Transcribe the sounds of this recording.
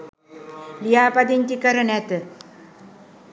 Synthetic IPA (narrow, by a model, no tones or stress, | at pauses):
lijaːpɐd̪inkikɐɾɐnet̪ɨ